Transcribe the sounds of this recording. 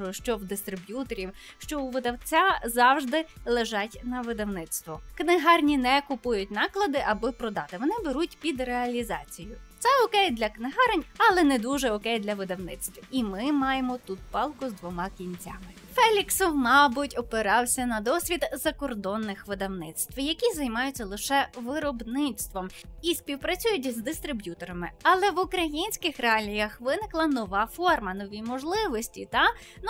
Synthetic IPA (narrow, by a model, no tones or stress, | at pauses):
ʃt͡ʃɔwd̪ɪst̪ɾɪbʲjut̪ɔɾʲiwʃt͡ʃɔuʋɪd̪ɐwt͡sʲazɑwʒd̪ɪlˠeʒɑtʲnɐʋɪd̪ɐwnɪt̪st̪ʋɔknɪɦɑrnʲinɛkʊpujʊtʲnɑklˠɐd̪ɪʔɐbɪpɾɔd̪ɑt̪ɪʋɔnɪbeɾutʲpʲid̪reɐlʲizɑ̰t͡sʲijʊt̪sɛɔkɛjd̪lʲɐknɪɦɑɾɪnʲɐlˠɛnɛd̪uʒɛɔkɛjd̪lʲɐʋɪd̪ɐwnɪt̪st̪ʋʲiimɪmɑjemɔt̪ut̪̚pɑlˠkʊzd̪ʋɔmɑkʲinʲt͡sʲa̰mɪ | fɛlʲiksɔwmɑbʊtʲɔpɪɾɑwsʲɐnɐd̪ɔsʲʋʲid̪zɐkɔrd̪ɔnːɪxʋɪd̪ɐwnɪt̪st̪ʋjɐkʲizɐjmɑjʊt͡sʲːɐlˠɪʃɛʋɪɾɔbnɪt̪st̪ʋɔmisʲpʲiwpɾɐt͡sʲujʊtʲzd̪ɪst̪ɾɪbʲjut̪ɔɾɐmɪɐlˠɛʋʊkɾɐjinʲsʲkɪxɾeɑlʲijɐxʋɪnɪklˠɐnɔʋɑfɔrmɐnɔʋʲimɔʒlˠɪʋɔsʲtʲit̪ɑ | n